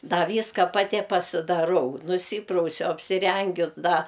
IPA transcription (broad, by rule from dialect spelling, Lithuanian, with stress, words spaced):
ˈdɐ ˈʋʲiːskɐ pɐˈtʲɪ pɐsʲɪdɐˈrɐʊ nʊˈsʲiːprɐʊsʲʊ ɐpʲsʲɪˈrʲɛŋʲɡʲʊ ˈdɐ